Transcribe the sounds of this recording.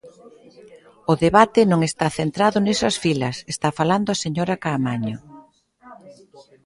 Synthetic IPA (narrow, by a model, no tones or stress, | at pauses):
ʊðeβat̪ɪnõŋest̪aθent̪ɾaðʊnesɐsfilɐsest̪afaland̪ʊaseɲoɾakamaɲo